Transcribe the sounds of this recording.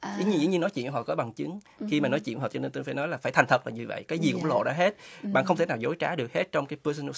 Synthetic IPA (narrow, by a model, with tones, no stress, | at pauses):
i˧˨˦ɲ˧zḭ˧˦ɲi˧nɔ˨˦jt͡ɕḭ˧˨˧ɔ̰˧˨˩kɔ˨˦ɓa˨˩ŋt͡ɕɨ˨˦ŋ | xi˧maː˨˩nɔ˨˦jt͡ɕḭ˧˨nɦɔ˨˩t͡ɕɔ˧e˧nt̪nfa˧˩nɔ˨˦laː˨˩faː˧˩jt̪ʰa˨˩ŋt̪ʰə˨˩t̚maː˨˩vi˧˩və̰˧˨jkaː˨˦jzi˨˩kʊ̰˧˥ŋ͡mlo̰˧˨ɗa̰ː˧˥ɦe˦˥t̚ɓa̰˧˨nxə˧wŋ͡mt̪e˧˩naː˨˩zo˨˦jt͡ɕaː˨˦ɗɨ˨˩ək̚he˦˥t̚t͡ɕɔ˧wŋ͡mkaː˨˦jpəː˧so˧nə˧